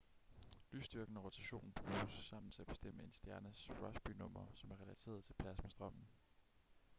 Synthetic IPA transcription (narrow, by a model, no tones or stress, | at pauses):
ly̰sd̥yɐɡ̥n̩əʁo̝t͡sʰæɕo̝̰ːnn̩b̥ʁṵːsːɑ̈m̰n̩t͡sʰe̝æb̥e̝̥sd̥em̰əe̝nsd̥jæɐnəsʁɒ̽sb̥ynɔ̽m̰ɐsɒ̽mæɐʁɛlæt͡sʰe̝̰ːɐðˠt͡sʰe̝lpʰlæsmesd̥ʁɒ̽m̰n̩